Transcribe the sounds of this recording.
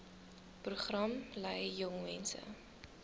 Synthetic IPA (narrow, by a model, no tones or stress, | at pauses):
pruχrɐmlɛjːɔŋmɛnsə̰